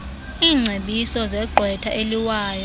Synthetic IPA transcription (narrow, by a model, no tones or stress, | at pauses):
iːŋ͡ǀʱeɓisɔzɛɡ͡ǃʱwɛtʰaʔeliwaːjɔ